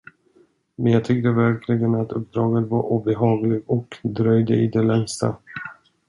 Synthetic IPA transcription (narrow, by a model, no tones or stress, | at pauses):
mɛnjɑːt̪ʰʏk̚t̪əvæɾkʰlɪɡənat̪ʰɵp̚d̪ɾɑːɡənvaɾʔuːbɛɦɑːɡlɪɡɔkd̪ɾœjd̪əɪd̪ɛlɛŋst̪a̰